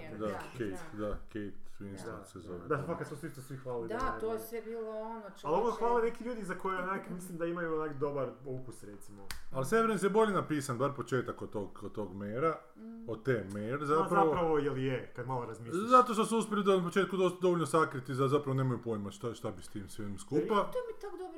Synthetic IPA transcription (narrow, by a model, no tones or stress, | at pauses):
d̪akejt̪d̪akejt̪inst̪ansezoʋed̪apakad̪smosʋisosʋixʋaːliaosebiːlˠoonoaloʋosxʋaːlenekiʎuːd̪izakojenakmislimd̪aimajuonakd̪o̞baɾukusɾet̪simoalseʋeɾnisjebo̞ʎenapiːsanbaɾpot͡ʃeːt̪akot̪oɡod̪̚t̪oɡmeːɾa | od̚t̪eːmeːɾezazpɾaʋpoɾaʋojelijekad̪malˠoɾazmiszat̪oʃt̪osuuspjelid̪anap̬ot͡ʃeːt̪̚kud̪osd̪o̞ʋoʎnosakɾit̪izazapɾaʋo̞neːmajupojimaʃt̪aʃt̪abist̪iːmsʋenmskuːppaomit̪okd̪ob